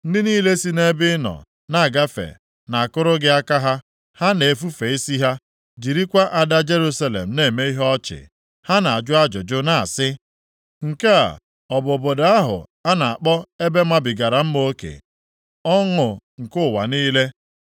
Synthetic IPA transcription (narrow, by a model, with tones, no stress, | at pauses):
n̩˦dɪ˦niː˦le˦si˦ne˦bɪ˦nɔ̰˨ | na˨a˨ɡa˦fḛ˨ | na˨a˨kʊ˦ɾʊ˦ɡɪ˦a˦ka˦ɦa˦ | ha˦ne˨e˨fu˦fe˨i˦si˦ɦa˦ | d͡ʒi˨ɾi˦kʷa˦ʔa˨da˦d͡ʒe˦ɾu˦sa˦lḛ˨m̩˨ne˦˨me˦i˦ɦɔ˦t͡ʃɪ̰˨ | ha˦na˨a˨d͡ʒʊ˦a˦d͡ʒʊ˨d͡ʒʊ˦na˨a̰˨sɪ˦ | ŋ̩˨ke˦a̰˨ | ɔ˨bʊ˨bo˨da˦ɦʊ̰˨a˦na˨a˨k͡pɔ˦e˦be˦ma˦bɪ˨ɡa˨ɾa˨m̩˦m˦o˦kḛ˨ | ɔ˦ŋʊ˨ŋ̩˨kʊ˦˨wa̰˨niː˦le˦